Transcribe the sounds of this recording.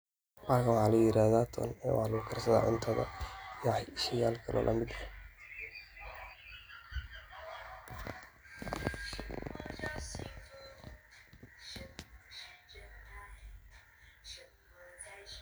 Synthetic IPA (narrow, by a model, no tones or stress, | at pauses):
maːkwɑħɑlɐjɪɾaːðaːt̪ʰɔ̰nɛːwʔɑ̰ħlɐɣʊkʰɐrsɐða̰ːʕʊnt̪ʰɐðɐ̰jaʕjɪʃɐjaːlkʰɐlʔɔ̰ːlʔɐmɪd̪ɐ